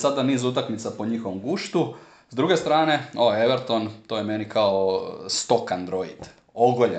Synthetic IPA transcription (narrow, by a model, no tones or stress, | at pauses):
sad̪aniːzut̪akmit̪sapo̞ɲixo̞ʋomɡuːʃt̪u | zd̪ɾuɡe̞st̪ɾaːne̞oeʋeɾt̪ont̪oːjemenikaost̪o̞kand̪ɾo̞id̪̥ | oɡoʎe